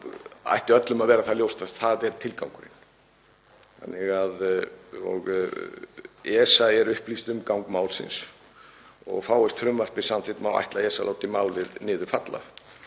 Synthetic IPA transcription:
a̰jht̪ɪœt̪lʏmaðvɛːɾaθaðljowst̪aθaðɛɾt̪ʰɪlkawŋkʏɾɪ̰n | θa̰nːɪɣaðɔ̰ɣ | ɛsaɛɾʏhplist̪ʏmkawŋkmaːwlsɪ̰ns | ɔ̰ɣfaːwɛst̪fɾʏmvar̥pɪ̥sanθɪht̪mawa̰jht̪laɛːsalaːwt̪ɪmaːwlɪðnɪːðʏfat̪la̰

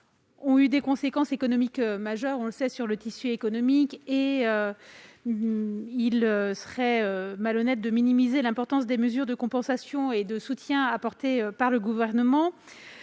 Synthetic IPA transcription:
ɔ̃yd̪ekɔ̃sekɑ̃sekɔnɔmikømaʒœʁɔ̃ləsɛsyʁlət̪isyekɔnɔmikeø | iløsə̥ʁɛømalɔnɛt̪̚d̪əminimizelɛ̃pɔʁt̪ɑ̃sd̪eməzyʁd̪əkɔ̃pɑ̃sasjɔ̃ed̪əsut̪jɛ̃apɔʁt̪eøpaʁləɡuvɛʁnəmɑ̃

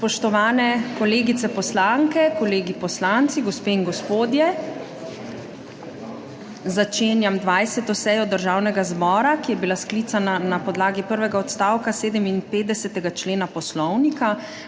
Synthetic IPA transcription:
spɔʃt̪ɔʋaːnɛkɔleːɡit̪sɛpɔslaŋkɛkɔleːɡipɔslant̪siɡɔspeːiŋɡɔspoːd̪jɛ | zat͡ʃeːnjamd̪ʋajsɛt̪ɔsɛjɔd̪əɾʒaːwnɛɡazbɔːɾakijɛbilasklit̪sananapɔd̪laːɡipəɾʋɛɡaɔt̪st̪aːwkaseːd̪əminpeːd̪ɛsɛt̪ɛɡat͡ʃleːnapɔslɔwnika

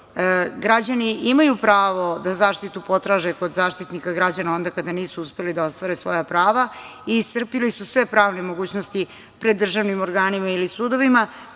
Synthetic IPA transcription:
ɡɾad͡ʑaniʔimajupɾaːʋo̞d̪azaːʃt̪it̪upo̞t̪ɾaːʒeko̞d̪zaːʃt̪it̪nikaɡɾad͡ʑanao̞nd̪akad̪aniːsuuspe̞lid̪ao̞st̪ʋaɾesʋo̞̰japɾaːʋa | ist̪r̩pilisusʋe̞pɾaːʋnemo̞ɡuːt͡ɕnost̪i | pɾed̪ːr̩ʒaʋnimo̞ɾɡaːnimailisuːd̪o̞ʋima

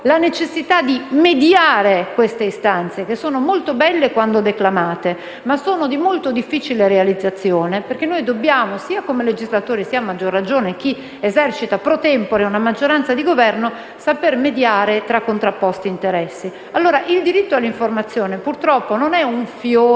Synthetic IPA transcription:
lanet͡ʃesːit̪ad̪imed̪jaːɾekwest̪eist̪ant̪sek̟esːoːnomolt̪obɛlːekwand̪od̪eklamaːt̪e | masːoːnod̪imolt̪od̪ifːit͡ʃileɾealid̪zːat̪sːjoːneperk̟enːojd̪obːjaːmosiːakomeled͡ʒizlat̪oːɾisiːamːad͡ʒːorːad͡ʒoːnek̟i | ezɛrt͡ʃit̪apɾot̪ɛmpoɾeunamad͡ʒːoɾant̪sad̪iɡovɛrno | sapermed̪jaːɾet̪ɾakːont̪ɾapːɔst̪iːnt̪eɾɛsːi | alːoːɾaʔild̪iɾit̪ːoalːiɱformat̪sːjoːnepurt̪ɾɔpːononɛuɱfjoː

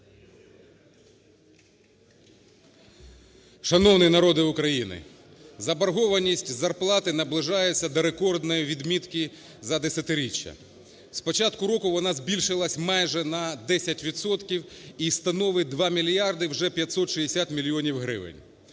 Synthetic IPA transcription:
ʃɐnɔwnɪnɐɾɔd̪ɪʊkɾɐjinɪ̰ | zɐbɐɾɦɔʋɐnʲisʲtʲzɐrplˠɑt̪ɪnɐblˠɪʒɑjet͡sʲːɐd̪ɔɾekɔrd̪nɔjiʋʲid̪mʲit̪kɪ | zɐd̪esʲɐt̪ɪɾʲit͡ʃʲːɐ̰ | spɔt͡ʃɑt̪kʊɾɔkʊʋɔnɑzʲbʲilʲʃɪlˠɐsʲmɑjʒɛnɐd̪ɛsʲɐtʲʋʲit̪sɔt̪kʲiwist̪ɐnɔʋɪd̪ʋɑmʲilʲjɑrd̪ɪwʒɛpʲjɐtʲsɔt̪ʃiesʲat̪mʲilʲijɔnʲiwɦɾɪ̰ʋɪ̰nʲ

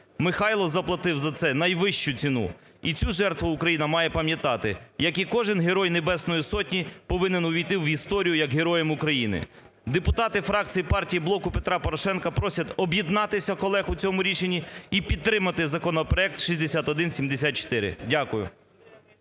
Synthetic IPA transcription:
mɪxɑjlˠɔzɐplˠɐt̪ɪwzɐt̪sɛnɐjʋɪʃt͡ʃʊt͡sʲinṵ | it͡sʲuʒɛrt̪ʋʊʊkɾɐjinɐmɑjɛpɐmjɐt̪ɑt̪ɪjɐkikɔʒɪnɦeɾɔjnebɛsnɔjisɔtʲnʲipɔʋɪnenʊʋʲijt̪ɪwist̪ɔɾʲijʊjɐkɦeɾɔjɛmʊkɾɐjinɪ̰ | d̪epʊt̪ɑt̪ɪfɾɑkt͡sʲijipɑrtʲijiblˠɔkʊpet̪ɾɑpɔɾɔʃɛnkɐpɾɔsʲɐt̪ɔbjid̪nɑt̪ɪsʲɐkɔlˠɛxʊt͡sʲɔmʊɾʲit͡ʃenʲːiipʲid̪̚t̪ːɾɪmɐt̪ɪzɐkɔnɔpɾɔɛk̚t̪ʃisʲd̪esʲat̪ɔd̪ɪnsʲimd̪esʲat̪̚t͡ʃɪ̥t̪ɪɾɪ̰dʲakʊjʊ̰

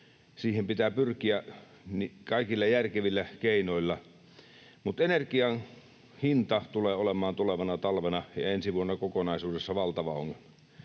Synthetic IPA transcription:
siːhempit̪æːpyrkiæ | nikɑˑikilːɑjærkeʋilːækeˑinoilːɑ | mut̪enerkiɑn | hint̪ɑt̪uleːolemˑɑːnt̪uleʋɑnɑt̪ɑlʋenɑjɑ̰ensiʋuonːɑkokonɑˑisuːdesːɑʋɑlt̪ɑʋɑo̰ŋːelmɑ

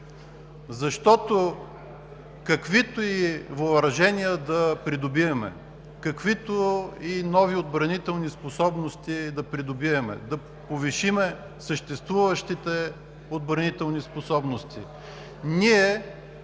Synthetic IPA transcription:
zɐʃt̪ɔt̪o | kɐkvit̪oivoɾɐʒɛniəd̪ɐpɾid̪obiɐmɛ̰ | kɐkvit̪oinɔviod̪̚bɾɐnit̪ɛlˠnisposɔbnost̪id̪ɐpɾid̪obiɐmɛ̰d̪ɐ | poviʃimɛ | səʃt̪ɛst̪vuvɐʃt̪it̪ɛ | od̪bɾɐnit̪ɛlˠnisposɔbnost̪i | niɛ

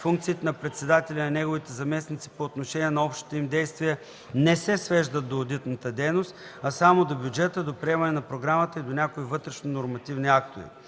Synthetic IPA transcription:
fuŋk̚t̪siːt̪ɛnɐpɾɛt̪sɛd̪at̪ɛlʲinɐnɛɡovit̪ɛzɐmɛsnit̪si̥poːt̪noʃɛniɛnɐɔpʃt̪i̥t̪oimd̪ɛjst̪viɛ | nɛsɛsvɛʒd̪ət̪̚d̪oːd̪it̪nɐt̪əd̪ɛjnost̪ | ɐsamod̪obʲjud͡ʒɛt̪əd̪opɾiɛmɐnɛnɐpɾoɡɾamət̪əid̪onʲakoivɤt̪ɾɛʃnonoɾmɐt̪ivniak̚t̪ovḭ

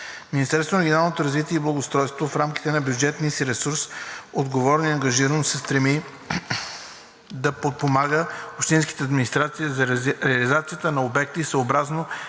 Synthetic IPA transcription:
minist̪ɛɾst̪vonɾɡʲonalˠnot̪oɾɐzvit̪iɛiblˠɐɡost̪ɾɔjst̪vofɾamki̥t̪ɛnɐbjud͡ʒɛt̪niəsiɾɛsuɾsod̪ɡovɔɾɛniɐŋɡɐʒiɾənosɛst̪ɾɛmi | d̪ɐpot̪̚pomaɡəopʃt̪inski̥t̪ɛɐd̪minist̪ɾat̪siizɐɾɛɐlizat̪sijət̪ənɐobɛk̚t̪isəobɾazno

